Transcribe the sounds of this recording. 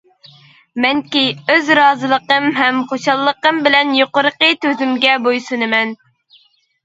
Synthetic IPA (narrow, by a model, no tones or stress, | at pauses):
mɛnkʲiøzɾɑːzɨlˠəqəmɦɛmχoʃɑlˠːəqəmbɪlɛnjoqʊɾəqət̪ʰøzymɡʲɛbojsunɨmɛn